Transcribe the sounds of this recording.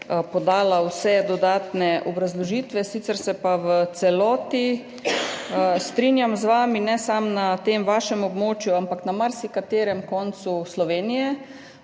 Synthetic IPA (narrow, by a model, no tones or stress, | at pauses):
pɔd̪aːlawsɛd̪ɔd̪aːt̪nɛʔɔbɾazlɔʒiːt̪ʋɛsiːt̪sɛɾsɛpaʋət̪sɛlɔːt̪i | st̪ɾinjamzʋaːminɛsamnat̪eːmʋaːʃɛmobmoːt͡ʃjuampaknamaɾsikat̪eːɾɛmkɔnt̪suslɔʋeːnijɛ